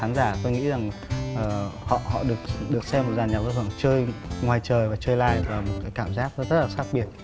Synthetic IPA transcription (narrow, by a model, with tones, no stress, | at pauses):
aː˨˦nzaː˧˩t̪o˧jŋḭ˧˥za˨˩ŋʔəː˨˩hɔ̰˧˨hɔ̰˧˨ɗɨ˨˩ək̚ɗɨ˨˩ək̚sɛ˧mːo˨˩t̚zaː˨˩nɲa˨˩və˧hɨ˧˩ə˨ŋt͡ɕəː˧jŋwaː˨˩jt͡ɕəː˨˩jvaː˨˩t͡ɕəː˧jlaː˧jvaː˨˩mo˨˩t̚kaː˨˦jkaː˧˩mzaː˦˥k̚n˦zə˦˥t̚laː˨˩xaː˦˥k̚ɓi˧˩ət̚